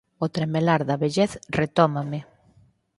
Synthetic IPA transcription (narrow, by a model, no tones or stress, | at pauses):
ot̪ɾemelaɾðɐβeʎeθret̪ɔmamɪ